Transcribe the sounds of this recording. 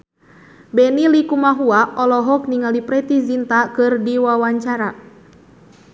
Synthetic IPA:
bɛnilikumaɦuaɔlɔɦɔk̚niŋalipɾɛt̪izint̪akɨrdiwawaɲt͡ʃaɾa

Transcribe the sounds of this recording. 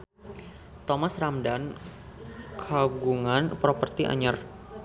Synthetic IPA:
t̪omasramdan | kʰaɡuŋanpɾopərt̪iʔa̰ɲar

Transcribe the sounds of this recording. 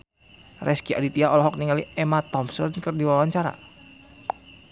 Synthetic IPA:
rʔɛskiʔa̰dit̪iaɔlɔɦɔk̚niŋaliʔɛmat̪ɔmsərnkərdiwaawaɲt͡ʃaɾa̰

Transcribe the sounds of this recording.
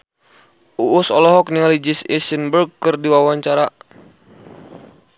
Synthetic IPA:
ʔuʔːsɔlɔɦɔk̚niŋalid͡ʒisisinbərɡ̚kɨrdiwawaɲt͡ʃaɾa

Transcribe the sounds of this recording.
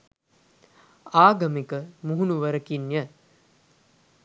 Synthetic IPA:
aːɡɐmikəmuɦunuʋəɾəkinjə

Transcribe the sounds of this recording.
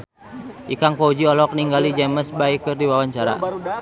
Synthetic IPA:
ʔikaŋpɔud͡ʒiɔlɔk̚niŋɡalid͡ʒɛməsbaikɨrdiwawaɲt͡ʃaɾa̰

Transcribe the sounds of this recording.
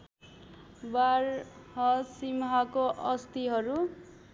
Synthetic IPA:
barhʌsimɦʌkoʔʌst̪iɦʌɾu

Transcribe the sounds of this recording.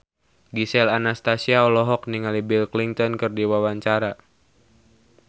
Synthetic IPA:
ɡisɛlanast̪asiaɔlɔɦɔk̚niŋalibilkliŋt̪ɔnkɨrdiwawaɲt͡ʃaɾa

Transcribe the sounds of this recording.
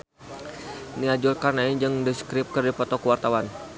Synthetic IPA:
niad͡ʒulkarnaid͡ʒɨŋdiskɾɪp̚kərdipɔt̪ɔkuwart̪awan

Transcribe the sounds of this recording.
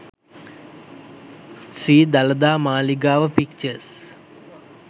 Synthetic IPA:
siːd̪ɐlɐd̪aːmaːliɡaːʋəpik̚t͡ɕəs

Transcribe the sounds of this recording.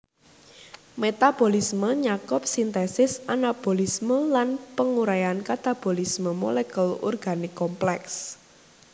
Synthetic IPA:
met̪ab̥olisməɲakʊp̚sint̪esɪsanab̥olisməlanpəŋuɾajankat̪ab̥o̤lisməmɔ̰lɛkəlṵrɡ̥a̤nɪkːɔmplɛks

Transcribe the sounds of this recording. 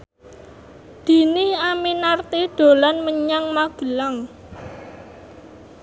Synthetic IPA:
d̪̥i̤niaminart̪iɖ̪̥o̤lanməɲaŋmaɡ̥ə̤laŋ

